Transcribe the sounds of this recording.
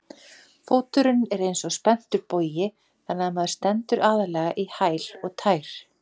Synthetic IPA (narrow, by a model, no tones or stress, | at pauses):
foːwt̪ʏɾʏnɛɾejnsɔspɛn̥t̪ʏɾpoːjɪ | θanːaðamað̥st̪ɛnt̪ʏɾʔaːðalɛɣaʔihaːjlɔɣt̪ʰaːjɾ̥